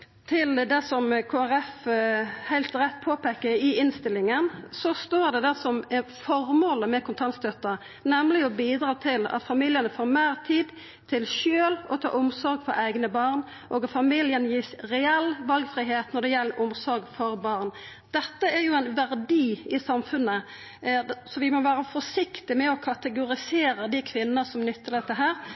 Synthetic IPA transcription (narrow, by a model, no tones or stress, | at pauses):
t̪ʰɪld̪ɛsɔmkʰoːæʁɛf | hæɪlt̪ɾɛt̪ːpʰoːpekːəɾɪɪnst̪ɪlɪŋənsɔst̪oːʁd̪ɛd̪æʁsɔmɛfɔɾmoːləmɛkʰʊnt̪ʰɑnst̪œt̪ːɑ | nɛmlɪɔbiːd̪ɾɑːt̪ʰɪlɑ̰t̪fɑmiːljənəfoːɾmeːʁt̪ʰiːd̪ | t̪ʰɪlʃøːlɔt̪ʰɑ̰ːʊmsɔɾɡfɔ̰ɾæɪɡnəbɑːʁn | ʔɔːɡɑt̪fɑmiːljənjiːsʁɛɛlʋɑlɡfɾiːɦeːt̪nɔɖ̪ɛjɛlːəɾʔʊmsɔɾɡfɔɾbɑʁn | d̪̥ɛt̪ːəæɾjʊæɪnʋæɾd̪iːɪsɑmfʉnːə | sɔʋɪmɔʋæːɾəfɔsɪkt̪ɪmɛɔkʰɑt̪əɡʊɾɪseːɾəd̪ɪkʰʋɪnːəsɔmnʏt̪ʰːəld̪ɛt̪ːəɦæːɾ